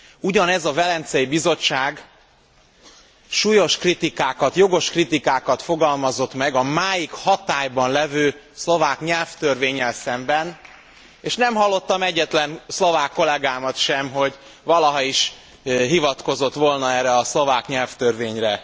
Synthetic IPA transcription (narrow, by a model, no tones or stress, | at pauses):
uɟɒnɛzɒvɛlɛnt̪sɛjibizo̞t͡ʃːaːɡ | ʃuːjo̞ʃkrit̪ikaːkɒt̪jo̞ɡo̞ʃkrit̪ikaːkɒt̪fo̞ɡɒlmɒzo̞t̪mɛɡɒmaːjikhɒt̪aːjbɒnlɛvøː | slo̞vaːkɲɛlft̪ørveːɲːɛlsɛmbɛn | eːʃnɛmɦɒlːo̞t̪ːɒmɛɟːɛt̪lɛnslo̞vaːkːo̞lɛɡaːmɒt̪ʃɛmɦo̞ɟ | vɒlɒɦɒiʃ | ɦivɒt̪ko̞zo̞t̪ʋo̞lnɒɛːrɛɒslo̞vaːkɲɛlft̪ørveːɲrɛ